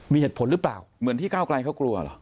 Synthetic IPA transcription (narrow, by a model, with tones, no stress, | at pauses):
miː˧heː˨˩t̪̚pʰo˩˦nɾɯ˦˥pla̰ː˨˩wmɯ˨˩˦ənt̪iː˥˩kaː˥˩wkla˧jkʰa˦˥˩wklu˧ɐ̰˨lɔ̰˨˦